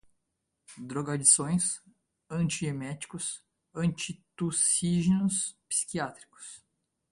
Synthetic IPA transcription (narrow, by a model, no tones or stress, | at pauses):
d̪ɾoɡad͡ʒisõj̃s | ɐ̃nt͡ʃiemɛt͡ʃi̥kʊs | ɐ̃nt͡ʃit̪usiʒenʊspsi̥kiat̪ɾi̥kʊ̥s